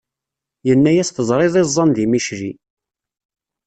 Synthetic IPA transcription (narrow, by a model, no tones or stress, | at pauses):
jənːæjæsθəzˤɾˤeðˤezˤːɑnðimiʃɾi